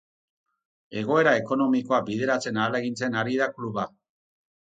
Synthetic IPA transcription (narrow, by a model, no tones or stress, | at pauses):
e̞ɣ̞o̞e̞ɾae̞ko̞no̞miko̞ak̚bið̞e̞ɾat͡se̞naːlaeɣint͡se̞naɾiðakluβa